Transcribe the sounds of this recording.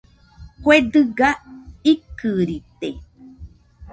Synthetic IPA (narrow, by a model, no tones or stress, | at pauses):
kwed̪ɨɡaikɨɾit̪e